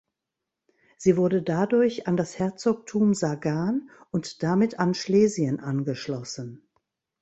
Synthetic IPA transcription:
z̥iːvʊɐdədadʊɐçandashɛɐt͡sok̚tʰuːmzaɡaːn | ʔʊntd̥amɪtʰanʃleːziənʔanɡəʃlɔsən̩

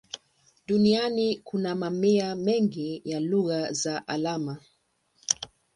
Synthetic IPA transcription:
dunianikʰunamamiamɛŋɡijaluɣazaʔalama

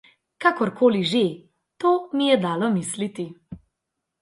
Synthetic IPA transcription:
kakɔɾkoːliʒe | t̪oːmijɛd̪aːlɔmislit̪i

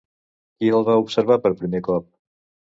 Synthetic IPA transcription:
kiəlˠβaupsəɾβapəɾpɾimekɔp̚

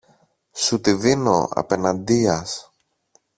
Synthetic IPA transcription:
sut̪iðino̰ɐ̰pe̞nɐnd̪iɐs

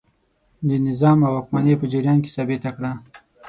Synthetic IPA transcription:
d̪ənɪzɑmawakmanepəd͡ʒɪɾjɑnke̥sɑbet̪akɽa

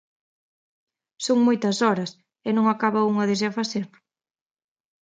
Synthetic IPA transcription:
soŋmojt̪ɐsɔɾɐs | ɛnõŋakaβɐuŋɐðɪz̬afaθeɾ

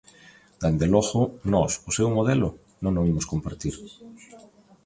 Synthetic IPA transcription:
d̪̥end̪elɔɣʊnɔsʊsewmoðelʊ | nõŋnoimʊskompaɾt̪iɾ

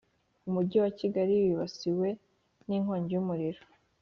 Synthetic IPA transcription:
umuɟiwaciɡaɾiwiβasiwe̞ | niŋhoːɲɟejumuɾiɾo

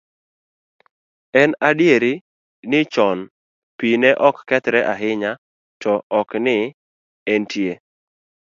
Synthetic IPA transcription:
ɛnadjeɾi | nɪt͡ʃɔn | pinɛʔɔkːɛt̪ɾɛʔaɦɪɲa | tɔɔknɪ | entje

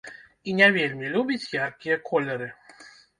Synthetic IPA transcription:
inʲavʲelʲmʲilʲubʲit͡sʲjarkʲijɐkʰɔlʲɛɾɨ

